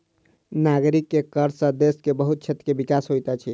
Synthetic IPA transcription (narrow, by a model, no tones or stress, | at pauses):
naɡɾikːekəɾsə̃d̪eskebəɦut̪̚t͡ʃʰet̪ɾəkebikasɦojt̪at͡ʃʰi